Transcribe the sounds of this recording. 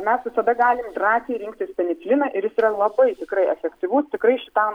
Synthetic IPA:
mʲɛsʋʲɪsɐd̪ɐɡɑːlʲɪmd̪rɑːsʲeːɾʲɪŋk̚t̪ʲɪspʲɛnʲɪt͡sʲlʲɪnɐʔɪɾjɪsiːɾɐlˠɐbɐɪt̪ʲɪkɾɐɪɛfʲɛkt̪ʲɪʋʊst̪ʲɪkɾɐɪʃʲɪt̪ɑʊ

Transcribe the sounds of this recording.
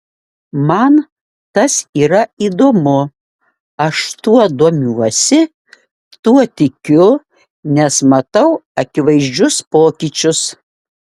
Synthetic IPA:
mɐn | t̪ɐsiːɾɐiːd̪oːmʊ | ɐʃt̪uɔd̪uɔmʲuɔsʲɪ | t̪uɔt̪ʲɪkʲʊ | nʲɛsmɐt̪ɐʊɐkʲɪʋɐɪʒʲd͡ʒʲʊspoːkʲit͡ʃʲʊs

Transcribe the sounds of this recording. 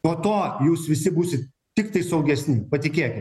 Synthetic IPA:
noːt̪oːjuːsʋʲɪsʲɪbuːsʲɪt̪ | t̪ʲɪkt̪ɐɪsɐʊɡʲɛsʲnʲɪpɐt̪ʲɪkʲeːkʲɪt̪

